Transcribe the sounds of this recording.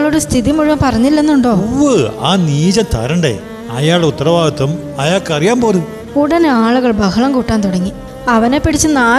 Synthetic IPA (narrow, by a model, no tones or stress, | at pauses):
ɭoɽest̪ʰiðimuɻuʋɐmpɐrɐɲːilːenːuɳɖo̞ːuʋɨa̰ːniːd͡ʑɐt̪ɐ̰ɾɐɳɖḛː | ɐ̰jaːɭɖeut̪ːɐrɐʋaːɡɐt̪ːɐm | ɐjaːɭkɐrijaːmpoːɾu | uɽɐnaːɭuɣɐɭbɐhɐɭɐmkuːʈːaːnt̪uɽɐŋːi | ɐʋɐne̞pːiɽit͡ɕːɨnaː